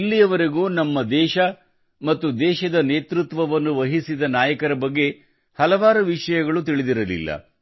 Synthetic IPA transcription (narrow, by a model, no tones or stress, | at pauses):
lːijɐʋɐɾeɡuːnɐmːɐd̪ɛːʃɐ | mɐt̪ːud̪ɛːʃɐd̪ɐneːt̪ɾut̪ʋɐʋɐnːuʋɐɦisid̪ɐnaːjɐkɐɾɐbɐɡːe̞ | hɐlɐʋaːɾuʋiʂɐjɐɡɐɭut̪iɭid̪iɾɐlḭlːɐ̰